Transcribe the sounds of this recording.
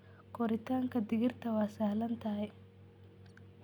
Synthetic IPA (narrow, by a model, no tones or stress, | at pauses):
koɾit̪aːŋkɐd̪iɡiɾt̪ɐʋaːsaɦɐlɐnt̪aɐj